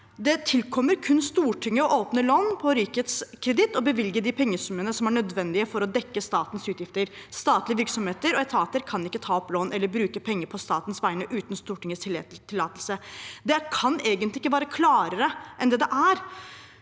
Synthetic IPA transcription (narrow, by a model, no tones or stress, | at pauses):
d̪ɛt̪ʰɪlkʰɔmːəɾkʰʉnst̪uːʈʰʏŋːəɔʔoːpnəloːnpʰɔɾiːket̪skʰɾɛd̪ɪt̪ːɔbəʋɪlɡəɖɪpʰɛŋːəsʉmːənəsɔmæɳœd̪ʋɛnd̪ɪəfɔɾɔd̪ɛkːəst̪ɑːt̪n̩sʉːt̪jɪft̪əɾst̪ɑːt̪lɪəʋɪɾksɔmheːt̪əɾɔɛt̪ʰɑːt̪əɾkʰɑnɪkːət̪ʰɑːɔploːnʔɛlːəɾbɾʉːkəpʰɛŋːəɾpʰɔst̪ɑːt̪nsʋæɪnəʔʉːt̪nst̪uːʈɪŋːəst̪ʰɪt̪ʰɪlːɑːt̪əlsəd̪ɛkʰɑneːɡənt̪lɪɪkːəʋɑːɾəkʰlɑːɾəɾəʔɛnd̪ɛd̪ɛʔæɾ